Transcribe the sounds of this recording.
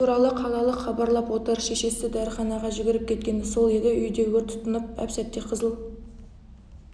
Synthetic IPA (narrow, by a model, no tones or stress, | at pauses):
uɾɑlˠəqʰɑlˠɑlˠəχɑbɑɾlˠɑpwo̞t̪əɾʃe̞ʃe̞sɪd̪æɾəχɑnɑʁɑʒɪbɪɾɪp̚kʲʰe̞t̪̚kʲe̞nɪso̞lˠe̞d̪ɪʔʏjd̪e̞ɡʲet̪ʰʊ̥t̪ənəp̚æ̰psæt̪̚t̪ːe̞qʰəzəlˠ